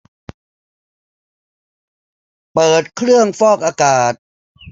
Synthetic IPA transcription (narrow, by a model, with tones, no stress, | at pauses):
pɤː˨˩t̪̚kʰɾɯ˥˩əŋfɔː˥˩k̚ʔaː˧kaː˨˩t̪̚